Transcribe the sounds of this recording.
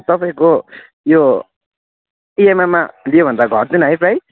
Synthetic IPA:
t̪ʌpaĩko | jo | iememːalijobʱʌnd̪aɡʱʌrd̪inɦʌjpraj

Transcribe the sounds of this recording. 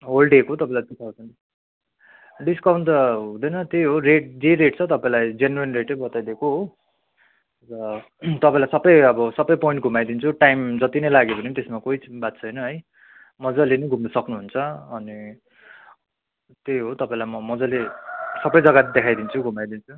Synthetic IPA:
ɦolɖekoɦt̪ʌpãĩlajt̪it̪ʰat͡sʰʌn | ɖiskawɳʈɦũd̪ʌjnʌt̪eɦoreʈ̚d͡zeɾeʈt͡sʰʌt̪ʌpaĩlajd͡zenwenreʈʌbʌt̪ajd̪ekoɦo | bʌ | t̪ʌpãĩlajsʌbʌjʌbʌsʌbʌjpoiɳʈ̚ɡʱumajd̪int͡sʰuʈajmd͡zʌt̪inʌjlaɡepʌnit̪esmakoibat̪̚t͡sʰʌjnʌɦʌj | mʌd͡zʌlenʌjɡʱumnʌsʌknuɦunt͡sʰʌʌni | t̪ejɦot̪ʌpaĩlajmʌmʌd͡zʌlesʌbʌjd͡zʌɡat̪d̪ekʰajd̪int͡sʰuɡʱumajd̪int͡sʰu

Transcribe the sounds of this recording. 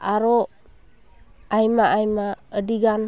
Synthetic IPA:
aɾɔ | ajmaʔajmaədiɡan

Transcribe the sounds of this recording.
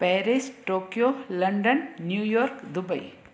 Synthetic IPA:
pɛːɾisʈoːkjoːlɐɳɖɐnːjuːjoːɾkd̪ubɐj

